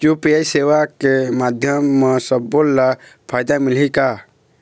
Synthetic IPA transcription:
t͡ʃupajsewakemad̪ʱjəmːesəbolːapʰajd̪amilika

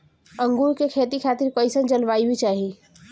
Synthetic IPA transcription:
ə̃ŋɡuɾkekʰeːt̪ikʰaːt̪iɾkoɪsə̃nd͡ʒənʋaːibʱit͡ʃaːɦi

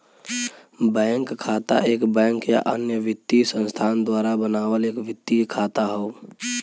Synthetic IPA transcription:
bɛŋkkʰːaːt̪a̰ʔeːkbɛ̃ŋkja̰ʔənjəʋɪt̪ːisə̃nst̪ʰaːnd̪waːɾabənaːwəleːkʋɪt̪ːikʰat̪aɦoʊ

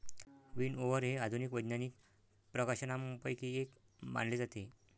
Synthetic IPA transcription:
ʋiːnoʋəɾɦead̪ʱunikʋəjd̪nanik̚ | pɾəkaɕənamupəjkiːek | ma̰ɳled͡zat̪e

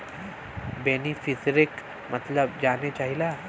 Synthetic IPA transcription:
beːnifɪsɾɪk | mɐt̪ləbd͡ʒaːnet͡ʃaːɦilaː

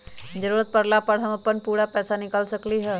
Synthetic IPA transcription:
d͡ʒəɾuːɾət̪̚pɐɾlapəɽɦɐmɐpːənpuːɾapɛːsanɪkəlsɐkliɦɛː

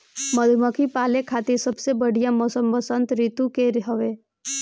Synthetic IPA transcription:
məd̪ʱməkʰipaːlekʰaːt̪iɾsəbsebəɽijãmɔːsəmbəsə̃nt̪ɾit̪ukeɾɦəʋeː

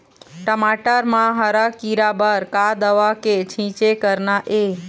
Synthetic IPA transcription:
ʈəmaʈəɾmãɦəɾakiɾabəɾkad̪əʋaket͡ʃʰĩt͡ʃekəɾnaʔe

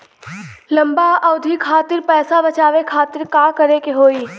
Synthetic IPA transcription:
lɐ̃mbaɐʊd̪ʱikʰaːt̪ɪɾpɛːsabɐt͡ʃaːʋekʰaːt̪ɪɾkaːkɐɾekeɦoːiː

